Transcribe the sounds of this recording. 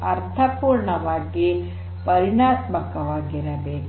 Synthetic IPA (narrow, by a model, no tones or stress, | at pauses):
ɐɾt̪ʰɐpuːɾɳɐʋaːɡi | pɐɾinaːt̪mɐkɐʋaːɡiɾɐbeːk